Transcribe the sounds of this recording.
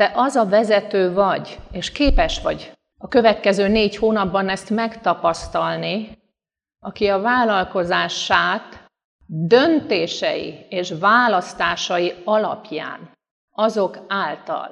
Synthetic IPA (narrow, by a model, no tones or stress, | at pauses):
d̪ɛʔɒzɒvɛzɛt̪øːvɒɟeːʃkeːpɛʃʋɒ̰ɟ | ɒkø̞vɛt̪kɛzøːneːɟhoːnɒbːɒnɛst̪mɛkt̪ɒpɒst̪ɒlni | ɒkiɒvaːlɒlko̞zaːʃaːt̪ | d̪ø̞nt̪eːʃɛ̰jḭeːʃvaːlɒst̪aːʃɒjiɒlɒ̰pja̰ːn | ɒzo̞kaːlt̪ɒ̰l